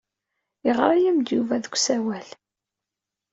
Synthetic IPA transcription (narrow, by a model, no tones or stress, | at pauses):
jəʁɾˤajæmd̪juvæðəkʷːsæwæl